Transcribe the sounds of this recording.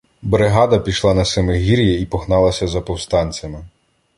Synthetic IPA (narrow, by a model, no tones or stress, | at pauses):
bɾeɦɑd̪ɐpʲiʃlˠɑnɐsemeɦʲiɾʲjɛipɔɦnɑlˠɐsʲɐzɐpɔwst̪ɑnʲt͡sʲɐmɪ